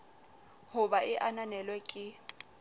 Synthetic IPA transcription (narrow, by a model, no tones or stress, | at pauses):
hʊbaɪʔananɛlwɛkʼɪ